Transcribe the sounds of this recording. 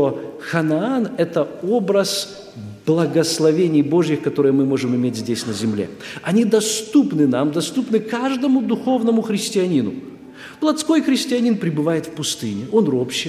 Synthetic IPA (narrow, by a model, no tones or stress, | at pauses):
o | xɐnaanɛt̪əobɾəs | b̥lˠəɡəslˠɐvʲenʲɪjbo̞ʐjɪxkɐt̪o̞ɾɨjəmɨmo̞ʐɨmɪmʲetʲzʲdʲesʲnəzʲɪmlʲḛɐnʲid̪ɐst̪upnɨnamd̪ɐst̪upnɨkaʐd̪əmʊd̪ʊxo̞vnəmʊxɾʲɪsʲtʲɪɐnʲinʊ̰ | plˠɐt̪sko̞jxɾʲɪsʲtʲɪɐnʲinpɾʲɪbɨvajɪt̪fpʊst̪ɨnʲɪo̞nɾopɕɪ